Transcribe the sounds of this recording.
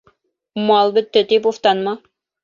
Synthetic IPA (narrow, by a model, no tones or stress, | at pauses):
mɑlˠbɘ̆t̪ːɘt̪ip̬uft̪ɑnmɑ